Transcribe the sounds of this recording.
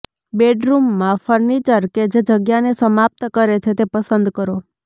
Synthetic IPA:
beɖɾumːãfəɾnit͡ʃəɾked͡ʒed͡ʒəɡjanesəmap̚t̪kəɾet͡ʃʰet̪epəsənd̪kəɾo

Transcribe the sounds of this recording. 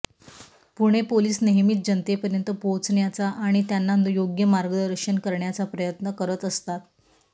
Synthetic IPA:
puɽ̃epoliːsneɦmiːt̪̚d͡ʑənt̪epəɾjənt̪əpot͡sɳjat͡saʔaɽ̃it̪janːanjoɡjəmaɾɡəd̪əɾəkʂənkəɾɳjat͡sapɾəjət̪nəkəɾət̪əst̪at̪

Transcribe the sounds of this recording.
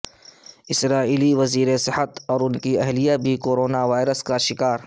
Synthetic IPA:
ɪsɾaːiːliʋɐziːɾesɪhət̪ɔːɾʊnkiɛɦlijabʱikoːɾoːnaʋaːɪɾəskaʃɪkaːɾ

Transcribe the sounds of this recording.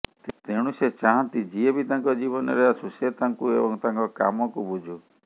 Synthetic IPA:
t̪t̪eɽ̃uset͡ʃaɦãnt̪id͡ʒiebit̪aŋkɔd͡ʒibɔnɔ̰ɾeasuset̪aŋkuebɔŋt̪aŋkɔka̰mɔkubud͡ʒʱu

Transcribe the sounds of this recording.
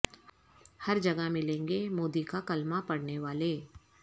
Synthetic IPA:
hɐɾd͡ʒɐɡəmɪlẽːŋɡemoːd̪ikakɐlmapɐɽneʋaːleː

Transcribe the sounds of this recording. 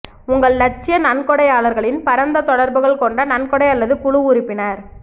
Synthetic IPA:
ʊŋɡɐɭnɐʈ̚t͡ʃːɪjɐnɐnkɔɽɐjaːɭɐɾɣɐɭɪnpɐɾɐnd̪ɐt̪ɔɽɐɾbɯɣɐɭkɔɳɖɐnɐnkɔɽɐɪjɐlːɐðɯkʊɻʊʊɾɪpːɪnɐːɾ

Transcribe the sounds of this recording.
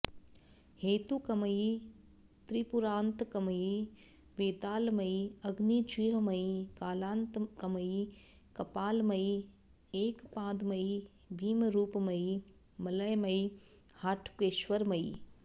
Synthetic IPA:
heːt̪ukɐməji | t̪ɾipʊɾãːnt̪kɐməji | ʋeːt̪aːlmɐiɐɡnit͡ʃiːɦmɐikaːlãːnt̪kɐməji | kɐpaːlmɐi | eːkpãːd̪mɐi | bʱiːmɾuːpmɐi | mɐləjmɐi | haːʈʰpeːʃʋəɾmɐi

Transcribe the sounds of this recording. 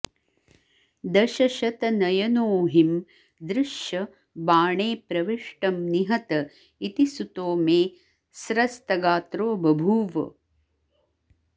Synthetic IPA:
d̪ɐʃɐʃɐt̪ɐnɐjɐnoːɦim | d̪ɾɪʃjɐ | baːɳeːpɾɐʋiʂʈɐmniɦɐt̪ɐ | it̪isut̪oːmeː | sɾɐst̪ɐɡaːt̪ɾoːbʱɐbʱuːʋɐ̰

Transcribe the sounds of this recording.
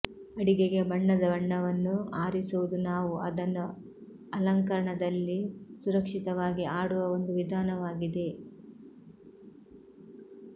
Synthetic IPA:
ɐɽiɡeɡe̞bɐɳːɐd̪ɐʋɐɳːɐʋɐnːuaːɾisuʋud̪unaːʋuɐd̪ɐnːu | ɐlɐŋkɐɾɐɳɐd̪ɐlːisuɾɐkʂit̪ɐʋaːɡiaːɽuʋɐo̞nd̪uʋid̪ʱaːnɐʋaːɡid̪e̞

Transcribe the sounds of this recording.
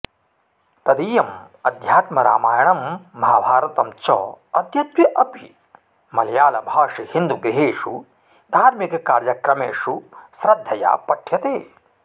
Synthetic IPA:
t̪ɐd̪iːjɐm | ɐd̪ʱjaːt̪mɐɾa̰ːmaːjɐɳɐmːɐɦabʱaːɾɐt̪ɐmt͡ʃɔ̰ːɐd̪jɐt̪ʋjɐʔɐpi | mɐljaːlɐbʱaːʂihind̪uɡɾiɦeːʂu | d̪ʱaːɾmikɐkaːɾjɐkɾɐmeːʂusɾɐd̪ʱːɐja̰ːpɐʈʰjɐt̪eː

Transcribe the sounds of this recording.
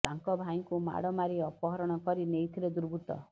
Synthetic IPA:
t̪aŋkɔbʱaj̃ŋkuma̰ɽɔmaɾiɔpɔɦɔɾɔɽ̃ɔkɔɾinejt̪ʰiɾed̪uɾbʱut̪ɔ̰

